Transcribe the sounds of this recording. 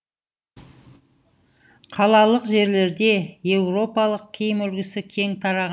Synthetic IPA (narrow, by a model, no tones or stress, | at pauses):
qʰɑlˠɑlˠəqʒe̞ɾle̞ɾd̪e̞je̞wɾo̞pɑlˠəq̚kʲʰejɪmɵlɡʲɪsɪkʲʰe̞ŋt̪ʰɑɾɑʁ